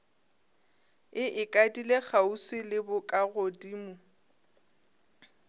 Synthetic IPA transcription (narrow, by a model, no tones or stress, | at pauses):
ɪʔɪkʼadileɣausɪlɪbʊkʼaɣodiːmʊ